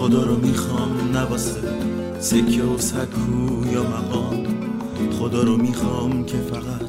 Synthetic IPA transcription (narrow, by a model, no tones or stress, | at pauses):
xod̪ɒːɾɒmiːxɒːmnæbɒːse | sekʰːeosæd̪kʰujɒːmæɣɒːm | χod̪ɒːɾɔmiːxɒːmcʰefæɣæ